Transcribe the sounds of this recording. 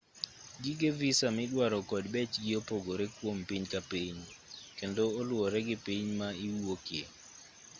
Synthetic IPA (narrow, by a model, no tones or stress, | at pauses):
ɡɪɡevisamɪɗwaɾɔkɔdbɛt͡ʃɡɪopoɡoɾɛkwompiɲkapiɲ | kendoːlwɔɾɛɡɪpiɲmaiuokɪḛ